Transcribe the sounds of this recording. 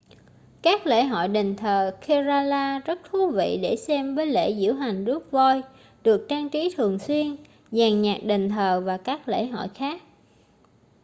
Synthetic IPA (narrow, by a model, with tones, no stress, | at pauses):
kaː˦˥k̚lḛ˧˥ɦɔ̰˧˨jɗe˨˩ŋ̟t̪ʰəː˨˩xʰe˧zaː˧laː˧zə˦˥t̚t̪ʰu˨˦vḭ˧˨ɗe˧˩sɛ˧mvəː˨˦jlḛ˧˨zɨ̰˧˥əwɦa˨˩jŋ̟zɨ˦˥ək̚vo˧j | ɗɨ˨˩ək̚t͡ɕaː˧ŋt͡ɕi˨˦t̪ʰɨ˨˩əŋswi˧ən | zaː˨˩ŋɲaː˨˩k̚ɗe˨˩ŋ̟t̪ʰəː˨˩vaː˨˩kaː˦˥k̚lḛ˧˩˨ɦɔ̰˧˨jxaː˦˥k̚